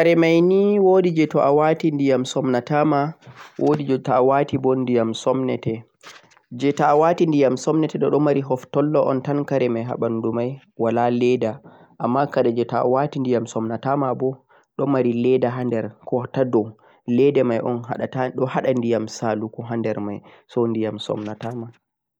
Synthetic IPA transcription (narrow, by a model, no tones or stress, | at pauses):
kaɾɛmajniwodid͡ʒɛtɔʔawatindijamsɔmnatamawʔodid͡ʒɛtɔawatibɔndijamsɔmnɛtɛ | d͡ʒɛtawatindijamsɔmnɛtɛɗɔɗɔmaɾiɦɔftɔlːɔʔɔntankaɾɛmajɦa̰ɓandumaj | walalɛda | ʔamːakadɛd͡ʒɛta̰watindijamsɔmnatamabɔ | ɗɔmaɾilɛdaɦandɛɾkʰɔtadɔw | lɛdɛmajʔɔnɦaɗataɗɔhaɗandijamsalukɔɦandɛɾma̰jsɔndijamsɔ̰mnatama